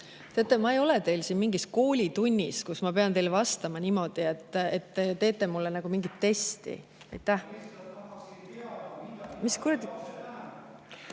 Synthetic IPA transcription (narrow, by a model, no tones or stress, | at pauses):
t̪e̞et̪ˑːemɑejo̞lɛt̪e̞jlsinmiŋɡisko̞ːlʲit̪unʲːiskusmɑpe̞ɑnt̪e̞jlvɑst̪ɑmɑnimo̞d̪̥ie̞t̪ːet̪ːet̪e̞ːt̪ːˑe̞mulːenæɡ̥umiŋɡ̥it̪ːe̞st̪ḭ | ɑ̰jt̪ːˑæh | miskurɑ